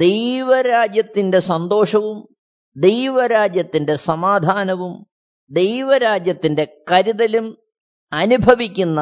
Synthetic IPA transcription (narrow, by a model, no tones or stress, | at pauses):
d̪ejʋɐɾaːd͡ʑjɐt̪ːinde̞sɐnd̪o̞ːʂɐʋum | d̪ejʋɐɾaːd͡ʑjɐt̪ːinde̞sɐmaːd̪ʱaːnɐʋum | d̪ejʋɐɾaːd͡ʑjɐt̪ːinde̞kɐɾiðɐlum | ɐnubʱɐʋikʲːunːɐ